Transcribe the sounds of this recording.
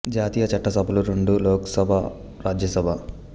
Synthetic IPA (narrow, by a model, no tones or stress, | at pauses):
d͡ʒaːt̪iːjɐt͡ʃɐʈːɐsɐbʱɐluɾeɳɖuloːkɐsɐbʱa | ɾaːd͡ʒjɐsɐbʱa